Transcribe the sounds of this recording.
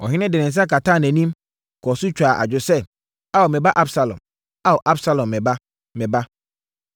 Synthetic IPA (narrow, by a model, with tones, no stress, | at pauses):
ɔ̰˨ɦɪ˦nɪ̃˦dɪ˨nɪ̃˨n˨s̬a˦ka˨tãː˦˨næ̃˨nĩ˦m | kʰɔ˨sʊ˦t͡ɕᶣa˨ʔa̰˨d͡ʑᶣʊ˦sɛ˦ | a˦wɔ˨mɛ̃˨ba˦ʔa˦bsa˨lɔ̰̃˨m | a˦wɔ˨ʔa˦bsa˦lɔ̃˨mːɛ̃˨ba˦ | mɛ̃˨ba˦